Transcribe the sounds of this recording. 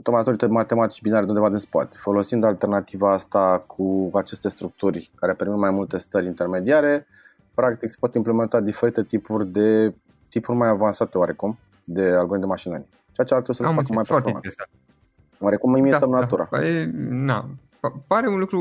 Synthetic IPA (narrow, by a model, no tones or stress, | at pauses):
t̪omnat̪uɾit̪emat̪e̞mat̪i̥t͡ʃʲbinaɾed̪eund̪evad̪inspa̰t̪fo̞lo̞sind̪alt̪ernat̪ivaast̪akʰuat͡ʃe̞st̪e̞st̪ɾuk̚t̪urʲkaɾe̞pemit̪majmult̪e̞st̪əɾʲint̪e̞rme̞d̪iaɾe̞ | pɾak̚t̪ikse̥pot̪imple̞me̞nt̪ad̪ife̞ɾit̪e̞t̪ipurʲd̪e̞ | t̪ipurʲmajavansat̪e̞oaɾe̞kum | d̪e̞alɡond̪emaʃinə̰rʲ | t͡ʃeat͡ʃealt̪ɾesəlfakəmajɾot̪oma̰t̪ | waɾe̞kumimiet̪əmnauɾa̰ena | paɾeunlukɾu